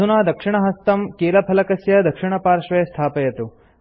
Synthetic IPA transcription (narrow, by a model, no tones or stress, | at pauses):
unaːd̪ɐkʂiɳɐɦɐst̪ɐmkeːlɐpʰɐlɐkɐsjɐd̪ɐkʂiɳɐpaːɾʂʋeːst̪ʰaːpɐjɐt̪u